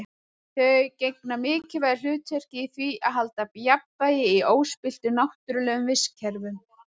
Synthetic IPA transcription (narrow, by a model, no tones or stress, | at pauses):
θœcejknamɪːcɪvajl̥ʏːt̪sɛr̥cɪθviʔaðɦalt̪apjapvajɪioːwspɪl̥t̪ʏnawht̪ʏɾʏlɛːɣʏmvɪscʰɛɾvʏm